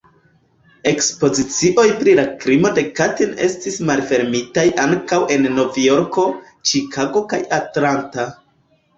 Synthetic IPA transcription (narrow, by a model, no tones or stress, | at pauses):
e̞kspo̞zit͡siʔo̞jpɾilakɾimo̞de̞katine̞̰stismalfe̞ɾmitajʔaŋkawʔe̞nːo̞vjo̞ɾko̞ | t͡ʃikʰaɡo̞kajatlanta